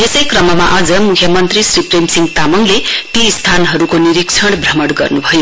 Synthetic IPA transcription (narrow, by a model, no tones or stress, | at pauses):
jesʌjkrʌmʌmaʔad͡zʌmukʰjʌmʌnt̪risripremsiŋɡt̪amʌŋlet̪ist̪ʰanɦʌɾukoniɾikt͡sʰʌɽbʱrʌmʌɽɡʌ̰rnubʱʌjo